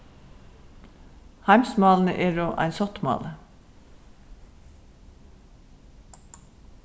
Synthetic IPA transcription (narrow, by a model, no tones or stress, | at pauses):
hæɪmsmɑːln̩əʔeːɹoːʔæ̰ɪnsɔt̪mɑ̰ːlə